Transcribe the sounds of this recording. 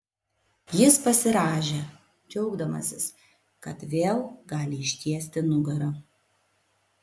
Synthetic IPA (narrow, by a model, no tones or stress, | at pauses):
jɪspɐsʲɪɾɑːʒʲeː | d͡ʒʲɛʊɡd̪ɐmɐ̰sʲɪs | kɐt̪ʋʲeːlˠɡɑːlʲɪɪʃʲt̪ʲiɛsʲt̪ʲɪnʊɡɐɾɐ